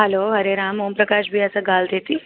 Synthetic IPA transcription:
ɦɛloːɦɐɾeɾaːmɦoːmpɾɐkaːʃbʱiɛsaɡaːld̪eːt̪i

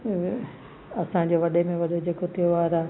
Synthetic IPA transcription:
ɐsãd͡ʑoʋɐɗemẽʋɐɗed͡ʑeːkot̪ʰijoʋaːɾaː

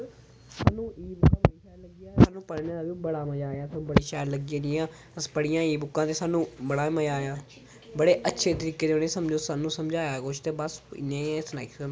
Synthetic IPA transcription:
saːnũːiːbʊkːãːbiːʃaːɾləɡijaːsaːnũːpəɽneːd̪aːbibəɽaːməd͡ʒaːjaːsaːnũːbəɽiːʃaːjɾləɡiãːniãː | əsbəɽɪjãːiːbʊkːãːt̪eːsaːnũːbəɽaːməd͡ʒaːjaː | bəɽeːʔətːʃʰeːt̪əɾiːkeːd͡ʒoːneːsəmd͡ʒoːsaːnũːsəmd͡ʒaːjaːkoːʃt̪eːbəsɪ̰nːẽːãːsnaːɪkso

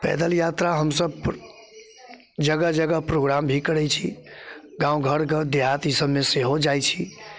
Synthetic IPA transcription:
pɛ̰d̪əljat̪ɾaɦəmsəbp | d͡ʒəɡəd͡ʒəɡəɦpɾoɡɾambʱikəɾɛt͡ʃʰḭɡãũɡʱəɾɡəd̪eɦat̪isəbmeseɦod͡ʒajt͡ʃʰi

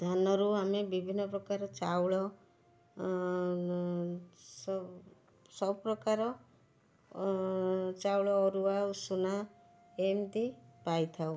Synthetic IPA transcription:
d̪ʱanɔɾuamebibʱinːɔpɾɔkaɾɔt͡ʃawɭɔ | s | sɔbɔpɾɔkaɾɔ | t͡ʃawɭɔːɾuausuna | emd̪ipajt̪ʰaw

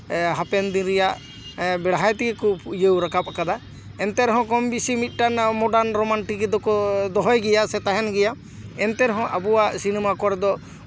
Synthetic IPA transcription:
ɦapɛnd̪inɾɛjaʔ | bɛɽɦajt̪ikikupʰuʔjəwɾakap̚akad̪a | ɛnt̪ɛɾɛɦɔ̃kɔmbisimit̪̚ˀʈanmɔɖaɾnɾɔmanʈikɛd̪ɔkɔd̪ɔɦɔjɡɛjasɛt̪aɦɛnɡɛja | ɛnt̪ɛɾɛɦɔ̃ʔabuwaʔsinɛmakɔɾɛd̪ɔ

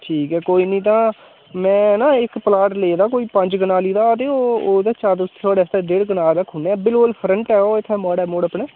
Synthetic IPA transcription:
ʈʰiːkɦɛːkoːiːnĩːt̪̬ãː | mɛ̃ːnãːɪkpəlaːʈleːd̪aːkoːiːpəɲd͡ʒɡənaːliːd̪aːət̪̬eːoːoːd̪eːt͡ʃaːɾd̪ʊst̪ʰːsʰoːɽeːst̪eːɖeːɽɡənaːlɾəkʰːʊneːbɪlkʊlpʰɾəɳʈɛːoːɪt̪ʰːɛːmɔːɽɛːmoːɽəpneː

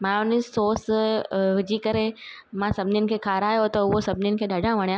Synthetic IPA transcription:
mãːʊnɪsoːs | ʊd͡ʑikɐɾe | mãsɐbʱɪnjʊ̃nɪ̆kʰeːkʰaːɾaːjot̪ɐʊɦosɐbʱɪnjʊnɪ̆kʰeːɗʱɐɖãʋɐɽ̃jãː

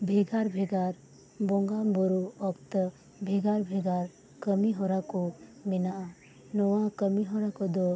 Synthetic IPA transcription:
bʱeɡaɾbʱeɡaɾ | bõŋɡamboɾuɔkt̪ə | bʱeɡaɾbʱeɡaːɾ | kəmiɦoɾakomɪna | nɔwãkəmiɦoɾakod̪ɔ

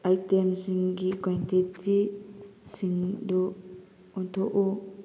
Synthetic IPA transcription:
ajtemsiŋɡikantitʰi | siŋdu | ɔnt̪ʰɔʔu

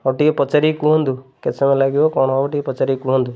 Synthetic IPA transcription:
ɔʈiepɔt͡ʃaɾikũɦɔnd̪uket͡ʃʰɔmẽlaɡibɔkɔɽ̃ɔɔʈipɔt͡ʃaɾikuɦɔnd̪u

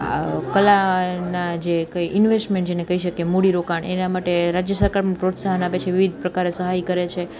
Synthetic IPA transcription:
a̰kəlanad͡ʒekəiʔɪnʋesʈmẽɳʈd͡ʒenekəiʃəkemuɽiɾokaɳḛnamaʈeɾad͡ʒjəsəɾkaɾmũpɾot̪saɦənapet͡ʃʰeʋiʋid̪̚ʱpɾəkaɾesəɦajkəɾet͡ʃʰe

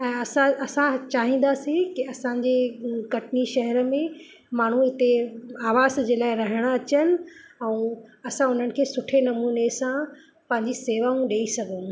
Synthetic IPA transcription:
ɛ̃ːɐsãɐsãt͡ɕaːɦĩːn̆d̪aːsĩkɪɐsãːɲd͡ʑeːkɐʈniʃɐɦɛɾəmẽ | maːɳ̤ũɪt̪eaːʋaːzd͡ʑeːlaːɪɾɐɦɪɽ̃əɐt͡ɕənɪ̆ɛ̃ːɐsãʊn̤ənɪ̆kʰeːsʊʈʰenɐmuːnesã | pɐ̃ɦɪ̃ɲd͡ʑiseːʋaũɗeːisɐɡʱŏ

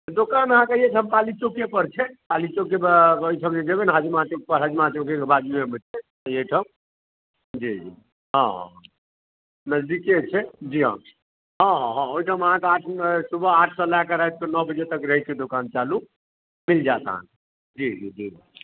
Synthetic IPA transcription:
t̪d̪okanəɦãkejet͡ʃʰəmkalit͡ʃokepəɾt͡ʃʰɛkalit͡ʃokeojʈʰəmd͡ʒed͡ʒebenɦəd͡ʒumãt͡ʃok̚pəɾɦəd͡ʒmãt͡ʃokekebad̪imemət͡ʃʰɛt̪ɔjeʈʰəm | d͡ʒid͡ʒḭ | ɦɔ̃ɦɔ̰̃ɦ | nəd͡ʒd̪iket͡ʃʰɛd͡ʒiɦã̰ | ɦɔ̃ɦɔ̃ɦɔ̃ojʈʰəməɦãkeaʈʰsubʱəaʈʰsɔlakaɾaɛt̪̚kənɔbəd͡ʒet̪əkɾəɦɛt͡ʃʰɛd̪okant͡ʃalu | mild͡ʒat̪a̰ɦa̰n | d͡ʒid͡ʒid͡ʒii

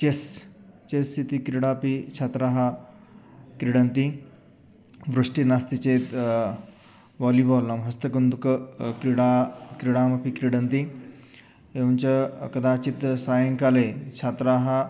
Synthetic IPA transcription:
t͡ʃest͡ʃesit̪ikɾiɽaːpit͡ʃʰaːt̪ɾaːɦɐ | kɾiɽɐnt̪i | ʋɾuʂʈinast̪it͡ʃeːt̪ | ʋaːlibɔːlːɐmɦɐst̪ɐkɐnd̪ukɐkɾiɽaːkɾiɽaːmɐpikɾiɽɐnt̪i | eunt͡ʃɐkɐd̪aːt͡ʃit̪saːjɐŋkaleːt͡ʃʰaːt̪ɾaːɦɐ

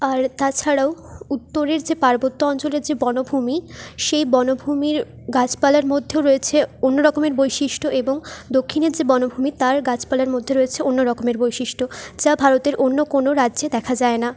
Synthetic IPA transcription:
aɾt̪at͡ɕʰaɽaout̪ːoɾeɾd͡ʑepaɾbot̪ːoɔnt͡ɕoleɾd͡ʑebɔnobʱumiʃejbɔnobʱumiɾ | ɡat͡ɕpalaɾmod̪ʱːeoɾoet͡ɕʰeonːoɾɔkomeɾbojʃiʃʈʰoʔeboŋd̪okʰːineɾd͡ʑebɔnobʱumit̪aɾɡat͡ɕpalaɾmod̪ʱːeɾoet͡ɕʰeonːoɾɔkomeɾbojʃiʃʈʰod͡ʑabʱaɾot̪eɾʔonːokonoɾadːʑed̪ɛkʰad͡ʑaena

